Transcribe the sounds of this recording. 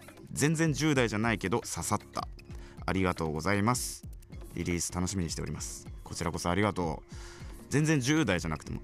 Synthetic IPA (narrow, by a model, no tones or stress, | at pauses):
zẽ̞nd͡zẽ̞ɲ̟d͡ʑɨːd̪aiʑanaike̞d̪o̞sasat̪ːa̰a̰ɾʲiɡat̪o̞ːɡo̞zaimasɨ̥ɾʲḭɾʲiːsɨ̥t̪ano̞ɕimiɲiɕit̪e̞o̞ɾʲimasɨ̥ko̞t͡ɕiɾako̞so̞aɾʲiɡat̪o̞ː | zẽ̞nd͡zẽ̞ɲd͡ʑɨːd̪aiʑanakɯ̥t̪e̞̰mo̞̰